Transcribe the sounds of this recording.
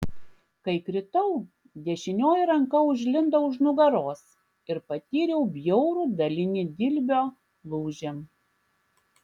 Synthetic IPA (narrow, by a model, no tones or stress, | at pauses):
kɐɪkɾʲɪt̪ɐʊ | d̪ʲɛʃʲɪnʲoːjɾɐŋkɐʊʒʲlʲɪnd̪ɐʊʒnʊɡɐɾoːs | ɪɾpɐt̪ʲiːɾʲɛʊbʲjɔʊɾuːd̪ɐlʲɪnʲid̪ʲɪlʲbʲoː | lˠuːʒʲɛm